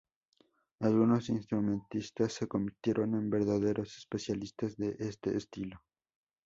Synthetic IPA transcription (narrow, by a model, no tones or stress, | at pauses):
alɣuno̞sinst̪ɾumẽ̞nt̪ist̪asːeko̞mbiɾt̪je̞ɾo̞ne̞mbe̞ɾðaðe̞ɾo̞se̥spe̞sjalist̪azðe̞ʔest̪e̞̰ːst̪ilo̞